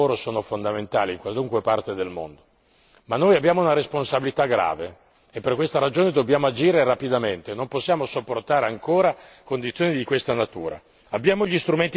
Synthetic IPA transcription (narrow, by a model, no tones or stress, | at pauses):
oːɾosoːnofond̪ament̪a̰ːliŋkwaluŋkwepart̪ed̪elmo̰nd̪o | manːojabjaːmounaɾesponsabilit̪aɡɾa̰ːve | epːerkwest̪aɾad͡ʒoːned̪obːjaːmoad͡ʒiːɾeɾapid̪ament̪enomposːjaːmosopːort̪aːɾeaŋkoːɾa | kond̪it̪sjoːnid̪ikwest̪anat̪ṵːɾa̰ | abjaːmoʎist̪ɾument̪i